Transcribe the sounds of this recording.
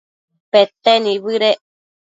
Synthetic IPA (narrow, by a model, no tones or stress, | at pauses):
pet̪enĩβɨɾe